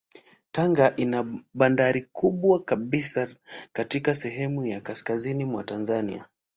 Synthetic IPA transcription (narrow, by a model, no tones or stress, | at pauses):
taŋɡaʔinaɓandaɾikʰuɓwakaɓisakatikasɛɦɛmujakaskazinimwatanzanḭa